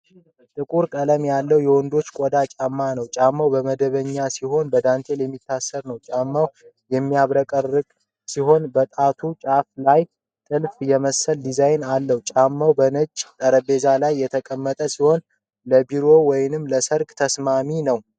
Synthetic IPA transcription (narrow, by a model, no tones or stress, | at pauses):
t̪ʼɨkʼuɾkʼələmjalːəwjɛwɔnd̪o̞t͡ʃːkʼod̪at͡ʃʼamːanəwt͡ʃʼamːawbəməd̪əβəɲːasiho̞nbəd̪ant̪ʰe̞ljɛmːit̪ʰːasːəɾnəwt͡ʃʼamːaw | jɛmːiaβɾəkʼərːɨɡʼ | siɦo̞nbət̪ʼat̪ʰut͡ʃʼaflaj | t̪ʼɨlfjɛməsəld̪izajnalːəhut͡ʃʼamːawbənət͡ʃʼːt̪ʼəɾəbe̞zalajːɛt̪ʰəkʼəmːət̪ʼəsiho̞n | ləbiɾo̞wɔjɪnɨmːləsəɾɡt̪ʰəsmaminəw